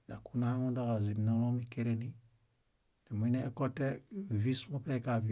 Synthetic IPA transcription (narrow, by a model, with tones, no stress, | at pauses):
na˨ku˦na˦ha˦mo˦da˦ka˨zi˨m˨no˦lo˦mi˦ke˦ɾe˦ni˦ | na˨mi˦ne˦ko˦tːe˦vi˦smo˦pe˦ka˨vi˦